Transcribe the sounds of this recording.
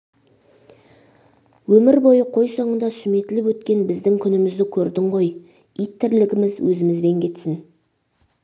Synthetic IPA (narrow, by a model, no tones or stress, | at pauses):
wɵmɪɾbo̞jəqʰo̞jsoɴənd̪ɑsʏme̞t̪ɪlɪpwɵt̪kʲe̞nbɪzd̪ɪŋkʲʰʏnɪmɪzd̪ɪkʲʰɵɾd̪ɪɴʁo̞j | it̪ʰːɪɾlɪɡʲɪmɪzwɵzɪmɪzbe̞ŋkʲʰe̞t̪sɪn